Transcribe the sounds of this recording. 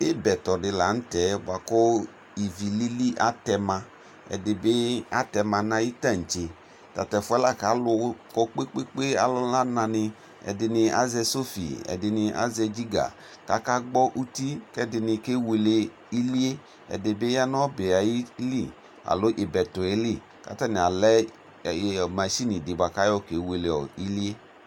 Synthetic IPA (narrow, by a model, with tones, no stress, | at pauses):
ɪ˦bɛ˨tɔ˨dɪ˨la˨n̩˦tɛ˨˦ba˨kɔ˦ | i˨vi˨li˦li˦ʔa˦tɛ˧mã˧ | ɛ̰˨dɪ˨bɪ˦a˦tɛ˧mã˧nã˧ji˦ta˦˨n̩˨t͡ʃe˨ | ta˨tɛ˨fʊ˨˦ɛ˦la˦˨ka˨˦lʊ˧kɔ˦k͡pe˦k͡pe˦k͡pe˦a˨lɔ˦la˦nã˧nɪ˧ | ɛ̰˨dɪ˧nɪ˧a̰˦zɛ˧so˦fḭ˨ɛ̰˨dɪ˨nɪ˧ʔa̰˦zɛ˧d͡ʒi˦ɡa̰˨ | ka˨˦ka˦ɡ͡bɔ˦ʔu˦ti˦kɛ˦dɪ˧nɪ˧ke˦we˧le˧ | i˦li˦e˦ | ɛ̰˨de˨be˦ja˦nɔ˦be˨a˨ji˦li˦˨ | a̰˨lo˨˦ʔe˨bɛ˨to˨e˦li˦˨ | ka̰˨˦tɛ˦˨ni˨a˨lɛ˦˨ | ma˨ʃi˦ni˨di˨ba˨ka˦jɔ˦˨ke˨˦we˧le˨ɔ̰˨i˦li˦e˦